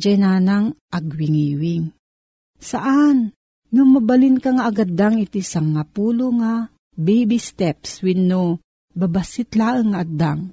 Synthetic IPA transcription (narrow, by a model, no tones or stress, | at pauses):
d͡ʒajnanaŋʔaɡwiŋiːwiŋ | saʔan | nʊmabalinkaŋaːɡad̪aŋit̪isaŋapuːloŋa | bɛjbist̪ɛpswinːo | babasɪt̪laːʔɨŋːaʔad̪aŋ